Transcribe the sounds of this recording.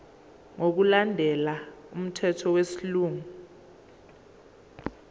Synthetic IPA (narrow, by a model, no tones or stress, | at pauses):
ŋok̬ulandʱɛlaum̩tʰɛtʰɔwesiluːŋu